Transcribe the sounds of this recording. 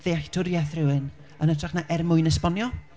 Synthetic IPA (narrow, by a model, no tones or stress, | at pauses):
ðeaxtʰʊɾjɛθrɪwɨn | ənətʰraχnaʔɛrmʊɨnəspɔnjɔ